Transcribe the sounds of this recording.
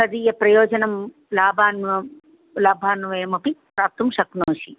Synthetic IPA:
ɐd̪iːjɐpɾɐjoːd͡ʒɐnɐm | laːbʱaːnʋɐ | laːbʱaːnʋɐːmɐpipɾaːp̚t̪ɐmʃɐknoːʃi

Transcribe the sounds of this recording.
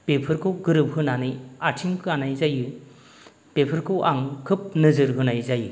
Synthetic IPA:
pepʰɯɾkʰɯwɡɯɾɯp̚hɯnanɯjatʰiŋkʰɯanajzajɯ | pepʰɯɾkʰɯwʔaŋkʰɯp̚nɯzɯɾɦɯnajzajɯ

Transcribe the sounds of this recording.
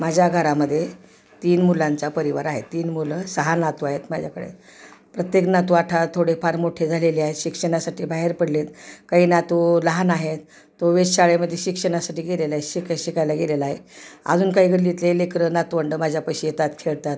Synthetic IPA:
mad͡ʑʱjaɡʱəɾaməd̪ʱːje | t̪iːnmulant͡sapəɾiʋaɾaɦet̪ːiːnmuləsəɦanat̪uaɦet̪mad͡ʑʱjakəɽḛt̪ | pɾət̪jeknat̪uaʈʰat̪ʰːoɽepaɾmoʈʰed͡zʱaleliaɦet̪ɕikʂəɽ̃asaʈiːbaɦeɾpəɽlet̪kaɦiːnat̪uləɦanaɦet̪ː | oʋesɕaɭeməd̪ʱːjeɕikʂəɽ̃asaʈiːɡelelaeɕikaɕikajlaɡelelaːɦeə̰d͡zuːnkaɦiːɡəɽlit̪lelekɾənat̪uʋəɳɖəmad͡ʑʱjapəjɕijet̪at̪kʰeɭt̪at̪̚

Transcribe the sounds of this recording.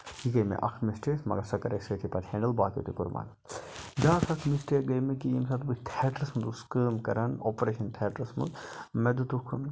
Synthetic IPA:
jikɐjmḛʔɐkʰmisʈʰeːsmɐ̰ɡɐsɐkɐɾɐksɐt̪ʰipɐt̪ʰhɛːɳɖəlbaːkḛt̪ukuɾma̰ːn | d͡ʒãːkʰɐkʰmisʈeːɡɐjmekiimsɐt̪bikt̪ʰeːʈɾɐsmɐnd̪uskəːmkɐɾɐnoːpɾeːʃɐnt̪ʰeːʈɾɐsmɐ̰nd̪mɛd̪ut̪ukʰn

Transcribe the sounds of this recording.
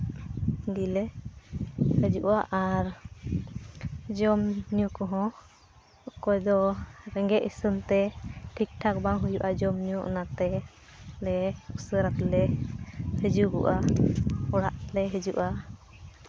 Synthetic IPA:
ɡilɛ | həd͡ʒuʔaʔaɾ | d͡ʒɔmɲukɔɦɔ̃ | ɔkɔjd̪ɔɾɛŋɡɛʔisənt̪ɛʈʰik̚ʈʰak̚baŋɦujuʔad͡ʒɔmɲuʔɔ̰nat̪ɛ | lɛusəɾat̪lɛ | həd͡ʒuɡɔ̰ʔa | ɔɽaʔ̪lɛɦəd͡ʒuʔa

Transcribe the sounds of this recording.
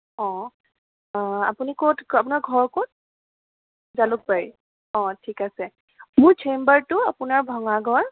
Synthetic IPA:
ɔ̃ | a̰punikowtapunaɹɡʱɔɹkot̚ | zalʊk̚paɹi | ɔ̃tʰikasɛ | mʊɹt͡ʃʰembaɹtʊapʊnaɹbʱɔŋaɡʱɔɹ

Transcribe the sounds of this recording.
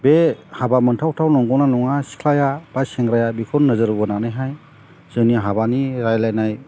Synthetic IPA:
behabamɯntʰawtʰawnɔŋɡɔwnanɔŋasi̥kʰlajab̥aseŋɡɾajabikʰɔnnɯzɯɾɯbɔnanajɦaj | z̥ɯniɦabaniɾajlajnaj

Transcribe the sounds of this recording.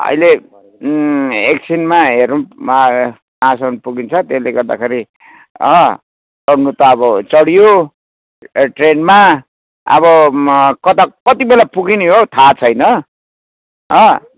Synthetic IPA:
ʌ̰jle | eksʰinmaɦernu | ãsʌnpuɡint͡sʰʌt̪esleɡʌrd̪a̰kʰeɾi | ʌ | sʌɽnut̪ʌːbʌt͡sʌɽijo | ʈrenma | ʌ̰βʌkʌt̪akʌt̪ibelapuɡiniɦot̪ʰat͡sʰʌjnʌ | ʌ

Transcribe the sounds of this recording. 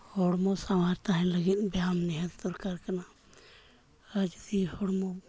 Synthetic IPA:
hɔɽmɔsamaɾt̪aɦɛ̃ləɡit̪̚ˀbjamnɛɦət̪t̪ɔɾkaɾkana | ad͡ʒt̪ihɔɽmɔ

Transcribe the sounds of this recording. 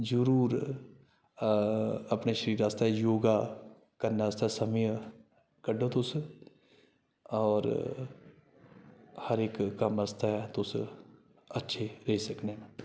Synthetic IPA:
d͡ʒəɾuːɾ | ɐpneʃəɾiːɾast̪aɦejoːɡa | kɐɾnaəst̪asɐməj | kɐɖʱot̪ʊs | ɔːɾ | hɐɾeːkːɐməst̪ʰaɦɛt̪ʊs | ɐtːʃʰeɾeɦisɐknen

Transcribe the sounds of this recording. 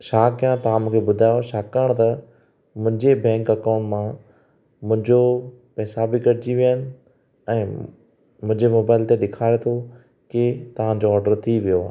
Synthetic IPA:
ʃaːkjãt̪ɐʋãmũːkʰebʊd̪ʱaːjoʃaːkəɽ̃t̪ɐ | mʊ̃ɦɪ̃ɲd͡ʑebɛ̃ːŋkɐkaːʊ̃ɳʈmã | mʊ̃ɦɪ̃ɲd͡ʑo | pɛːsabikɐɽt͡ɕiʋijənɪ̆ | ɛ̃ː | mʊ̃ɦɪ̃ɲd͡ʑemoːbaːɪlt̪eɗɪkʰaːet̪ʰo | kɪt̪ɐʋ̤ãd͡ʑoɔːɾɖəɾt̪ʰiʋijoaːɦ

